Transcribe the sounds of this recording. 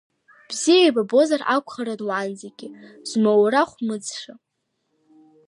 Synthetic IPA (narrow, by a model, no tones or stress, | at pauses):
b̥zijajbabo̞zarakʷʰʼχaɾadwanzeɡʲɪz̥mowɾaχʷmɨd͡zʂa